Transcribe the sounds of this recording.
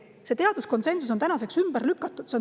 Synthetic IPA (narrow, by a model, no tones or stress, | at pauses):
se̞t̪e̞ɑd̪̥usko̞nse̞nsusont̪ænɑse̞ksymb̥ærlykːˑɑt̪ːˑud̪̥sen